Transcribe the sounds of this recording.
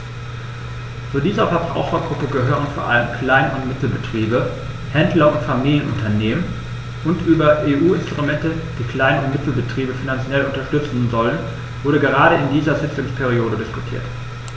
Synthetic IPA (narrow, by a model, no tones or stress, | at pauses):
t͡sudiːzɐfɛbʁa̰ʊχɐɡʁʊpəɡəɦøːɐʁʊnfoːɐʔa̰ləmkʰl̥aɪnnʊ̰ntmɪtl̩bətʁ̥iːbə | hɛndlɐʊntfamiːljənʔʊ̰ntɐneːmən | ʔʊntʔyːbɐʔeːʔuːɪnstʁ̥umɛntə | d̥iːkl̥aɪnəʊntmɪtl̩bətʁ̥iːbəfinant͡sjɛlʊntɐʃtʏt͡sn̩zɔlən | vʊɐɾəɡəʁaːɾəɪndiːzɐzɪt͡sʊŋspʰeʁ̞ioːdədɪskʊ̥tʰḭːɐt